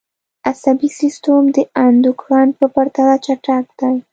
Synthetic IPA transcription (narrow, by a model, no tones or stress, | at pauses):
asabisɪst̪omd̪əand̪ʊkɾɑn̚pəpaɾt̪alat͡ʃaʈak̚d̪̥aj